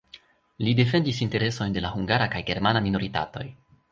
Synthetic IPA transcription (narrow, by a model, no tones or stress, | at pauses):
lide̞f̬e̞ndisinte̞ɾe̞so̞jnde̞lahuŋɡaɾakajɡe̞ɾmanamino̞ɾita̰to̞̰j